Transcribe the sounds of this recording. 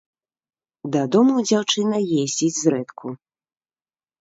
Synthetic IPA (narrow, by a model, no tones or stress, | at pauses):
d̪ɐd̪ɔmud͡zʲawt͡ʂɨnɐjezʲd͡zʲid͡zʲzɾɛt̪kʰu